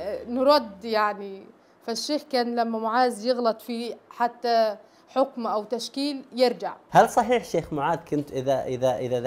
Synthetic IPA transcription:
nɾˤɑd̪ːjaʕni | faʃːeːxkæːnlamːamʊʕaːzjɪɣlɑt̪ˤfiħat̪ːa | ħɪkmʔawt̪aʃkiːljɪɾd͡ʒaʕhalsˤɑħiːħʃeːxmʊʕaːdkʊnt̪ʔɪðaʔɪðaʔɪða

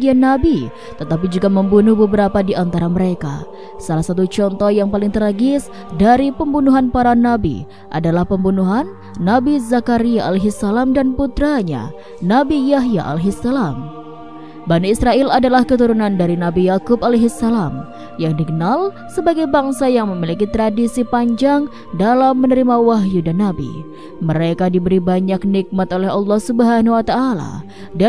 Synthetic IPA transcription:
ɡianːabi | t̪ət̪ap̬id͡ʒuɡaməmbunuhbəbəɾapadiʔant̪aɾaməɾeka̰ | salahsat̪̬ut͡ʃɔnt̪ɔhjaŋpalɪŋt̪əɾaɡɪs | daɾipəmbunuɦanpaɾanabḭ | ʔa̰dalahpəmbunuɦanː | abizakaɾiaaleɦisalamdanput̪ɾaɲa̰ | nabijaɦja̰ʔa̰lɦisalam | baniisɾaʔɪladalahkət̪uɾunandaɾinabijakʊpaleɦisalam | jaŋdikənal | səbaɡajbaŋsajaŋməmilikit̪ɾadisipaɲd͡ʒaŋ | dalamːənəɾimawaɦjudanabḭ | məɾekadibəɾibaɲak̚nik̚mat̪olɛɦɑlˠːɑhsubəɦanuwat̪aʔala̰ | da

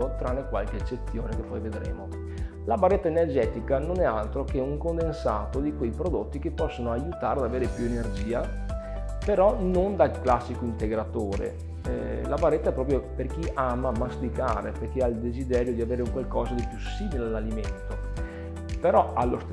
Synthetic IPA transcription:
ot̪ɾanːekwalk̟eːt͡ʃːet̪sːjoːnekepːɔjved̪ɾḛːmo | labarːet̪ːaenerd͡ʒɛːt̪ikanonɛalt̪ɾokeuŋkond̪ensaːt̪od̪ikwejpɾod̪ot̪ːikepːɔsːonoajut̪aːɾead̪aveːɾepjuenerd͡ʒiːa | peɾɔnond̪aklasːikoint̪eɡɾat̪oːɾḛ | labarːet̪ːaɛpːɾɔːp̬ɾjoperkiʔaːmaːmːast̪ikaːɾeperk̟eaild̪ezid̪ɛːɾjod̪iaveːɾeuŋkwalkɔːzad̪elpjusːiːmilealːalimḛnt̪o | peɾɔalːost̪

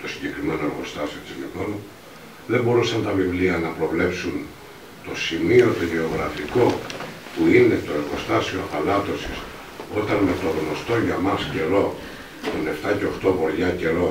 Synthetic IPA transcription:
t̪o̞siɲɟe̞kɾime̞no̞eɾɣo̞st̪ɐsio̞t̪iznikonu | ðe̞mbo̞ɾusɐnt̪ɐvivliɐnɐpɾo̞vle̞psun | t̪o̞simio̞t̪oʝe̞o̞ɣɾɐ̰fiko̞puine̞t̪o̞e̞ɾɣo̞st̪ɐsiofɐlɐt̪o̞sis | o̞t̪ɐnme̞t̪o̞ɣno̞st̪o̞ʝɐmɐsce̞lo̞ | t̪one̞ft̪ɐce̞oxt̪o̞poɾʝɐce̞ɾo̞

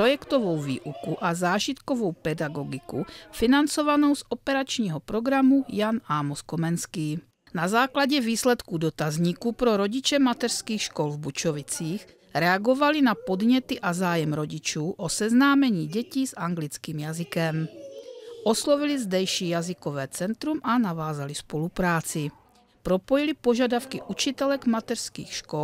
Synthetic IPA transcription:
ɾɔjɛkt̪ɔʋɔwvḭːʔukuʔazaːʒit̪kɔʋɔwpɛd̪aɡɔɡikufinant͡sɔʋanɔʊzɔpɛɾat͡ʃɲiːɦɔpɾɔɡɾamujanaːmɔskɔmɛnskiː | nazaːklaɟɛviːslɛt̪kud̪ɔt̪azɲiːkupɾɔɾɔɟit͡ʃɛmat̪ɛɾskiːxʃkɔlvbut͡ʃɔʋit͡siːx | ɾɛaɡovalinapod̪ɲɛt̪iʔazaːjɛmɾoɟit͡ʃuːʔosɛznaːmɛɲiːɟɛciːzʔaŋɡlit͡skiːmjazɪkɛm | ʔoslovilizd̪ɛjʃiːjazɪkovɛːt͡sɛnt̪ɾumʔanavaːzalispolupɾaːt͡sɪ | pɾopojilipoʒadafkiʔut͡ʃit̪ɛlɛɡmat̪ɛr̥skḭːxʃkol

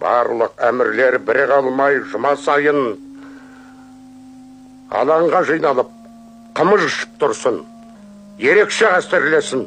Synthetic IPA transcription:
b̥ɑ̰ɾlˠəqæmɪɾle̞ɾbɪɾɪqɑlˠmɑjʒʊmɑsɑjən | ɑ̰lˠɑɴʁɑʒɑjnɑlˠəp̚ | qʰəməzʏʃɪ̥p̚t̪ʰʊɾsən | je̞ɾe̞kʃe̞qæst̪eɾle̞sɪn

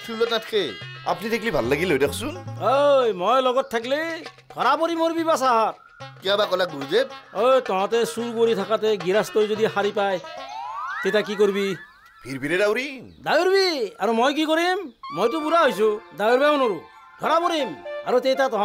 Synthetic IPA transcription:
pʰillɔtnatʰke | a̰pnideklibʱalːaɡilojdekʰsunɦojmojlɔɡɔt̚tʰːak̬ile | ɡʱɔɾapɔɾimoɾbibasaɦat̚ | kiabakɔlak̚ɡuɾud͡ʒep̚ojtɔɦɔ̃tesuɾkoɾitʰakateɡiɾastɔjzod̪iɦaɾipaj | t̪ejtak̬ikoɾibi | bʱiɾbʱiɾedawɾid̪ajuɾbiaɾumojk̬ikoɾimːojtʊpuɾaɦojsũd̪ajuɾbamɔnoɾu | ɡ̪ʱɔɾapɔɾimaɾutejtatɔɦã

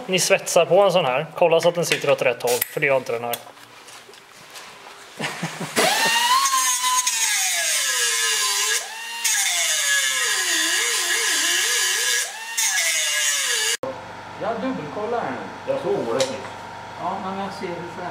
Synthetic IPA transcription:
nɪsvɛt̪saɾpɔɛns̬ɔnɦæːɾkʰɔlːasat̪̚d̪ɛnsɪt̪ːəɾɔt̪ɾɛt̪ːhɔlfœɖɛjaːɪnt̪əɾɛnhæːɾ | jɑd̪ɵbːəlkʰɔlːaɾæn | jɑsoɾat̪ɪ | ɑmɛnaseːɾɛf

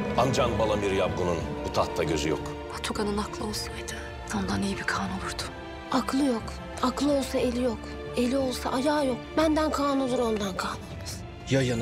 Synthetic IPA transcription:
and͡ʒanbalˠamiɾijap̚bununbut̪ʰaht̪ʰːaɟøzyjo̰k | pʰat̪ʰuɡanɯnaklˠɯo̞lˠsajd̪ɪ̥ | t̪ʰamd̪anijibikʰaːnuvuɾd̪ʊ̥ | aklˠɯjo̞k | aklˠɯo̞lˠsae̞lʲijo̞k | e̞lʲio̞lˠsa̰ʔajaːjo̞kbænd̪ænkʰaːnud̪uɾo̞nd̪ankʰaːnumɯz̥ | jajɯn

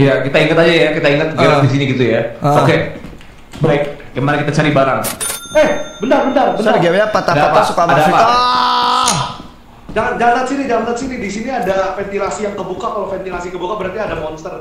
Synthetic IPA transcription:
jakit̪aiŋət̪ad͡ʒajakit̪aiŋət̪̚ɡeɾadis̬iniɡit̪ujaoke | baɪk̚ɡəmanakit̪at͡ʃaɾibaɾaŋɛhbəndarbəndarbənaɡiabapat̪adaaasukaadapaa | d͡ʒaŋd͡ʒalant̪at̪sinid͡ʒalant̪at̪sinidisiniadafɛnt̪ilasijaŋkəbukakalafɛnt̪ilasikəbukabəɾart̪iadamɔnst̪ər

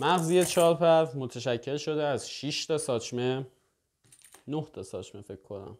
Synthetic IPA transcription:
mæɣzijet͡ʃʰɒːɾpʰæɾmo̞t̪ʰeʃæcʰːe̞lʃo̞d̪eæzʃiʃt̪ʰɒsɒːt͡ʃʰme | noht̪ʰɒsɒ̰ːt͡ʃʰme̞fe̞kʰkʰːo̞næ̰m

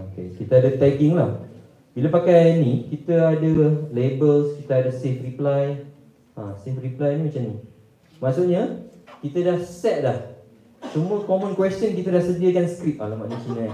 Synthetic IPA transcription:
okḛkit̪aadat̪ɛɡɪŋlah | bilapakajnĩkit̪əadalebəlskit̪aadasefriplaj | ãsefriplajnĩmat͡ʃani | maʔsuʔɲakit̪adahsɛt̪̚lah | səmuəkomɔ̃nkwɛstjənkit̪adahsədiəkansə̥kɾip̚alamaʔnusina

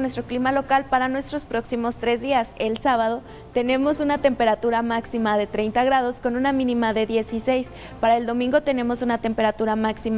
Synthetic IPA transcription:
nwest̪ɾoklimalo̞kalpaɾanwe̞st̪ɾo̞spɾo̞ksimo̞st̪ɾe̞zðiase̞lsaβ̞að̞o̞ | t̪e̞ne̞mo̞sunat̪e̞mpe̞ɾat̪uɾamaksimaðe̞t̪ɾe̞jnt̪aɣ̞ɾað̞o̞sko̞nũnamĩnĩmaðe̞ðje̞sise̞js | paɾae̞ld̪o̞mĩŋɡo̞t̪e̞nẽ̞mo̞sunat̪e̞mpe̞ɾat̪uɾamaksima

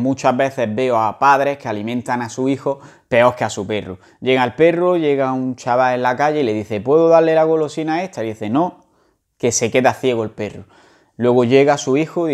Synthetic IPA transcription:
mũt͡ʃaɦβe̞θe̞ɦβe̞oapaðɾe̞hke̞alimẽnt̪anasuixo | pe̞o̞ke̞asupe̞rṵ | ʝe̞ɣaelpe̞ruʝe̞ɣaunt͡ʃaβaenlakaʝe̞ile̞ðiθe̞pwe̞ðoðale̞laɣolo̞sinae̞ht̪aiðiθe̞no̞ | ke̞se̞ke̞ðaθje̞ɣoelpe̞ru | lwe̞ɣoʎe̞ɣasuixo

